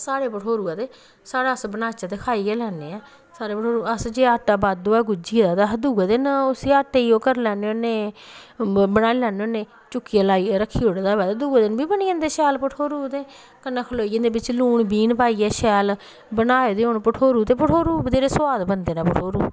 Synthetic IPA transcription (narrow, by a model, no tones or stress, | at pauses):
saːɽeːpəʈʰoːɾuːɛːt̪eː | saːɽaːəsbənaːt͡ʃat̪eːkʰaːiːɛːlɛːnḛːɛː | saːɾeːpəʈʰoːɾuəsd͡ʒeːaːʈːaːbaːd̪oːɛːɡʊd͡ʒiːd̪aːt̪ad̪uːad̪enʊsiːaːʈːeːiːoːkəɾlɛːneːoːneː | bənaːilɛːneoneː | t͡ʃʊkːiːɛːlaːiːɾəkʰːiːʊɽd̪aːʋɛːt̪aːd̪uːaːd̪ɪnbiːbəniːə̃nd̪eːʃɛːlpəʈʰoːɾuːt̪eː | kənːãːkʰəloːiːə̃nd̪eːbɪt͡ʃluːɳbiːnpaːiːɛːʃɛːl | bənaːoːd̪eːoːnpəʈʰoːɾuːt̪eːpəʈʰoːɾuːbəd̪eːɾeːswaːd̪bənd̪eːnãːpəʈʰoːɾuː